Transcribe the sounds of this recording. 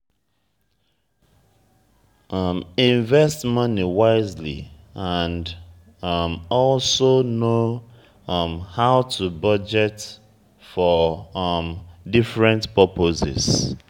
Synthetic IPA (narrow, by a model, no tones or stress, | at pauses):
ʌmĩɱvɛstmʌniwaɪzlḭ | ãnd | mɔlsono | mhaʊtʰubʌd͡ʒɛt | fɔ | mdifɹɛ̃ntpɔpʰozɛ̰s